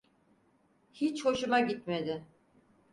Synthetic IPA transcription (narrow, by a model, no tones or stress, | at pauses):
hit͡ʃho̞ʃumaɟit̪me̞d̪ɪ